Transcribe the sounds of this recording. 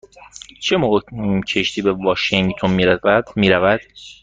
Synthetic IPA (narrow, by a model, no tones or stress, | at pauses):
t͡ʃʰemoːɣecʰeʃt̪ʰiːbevɒʃiŋɡt̪ʰonmiːɾævæd̪̥miːɾævæd̪̥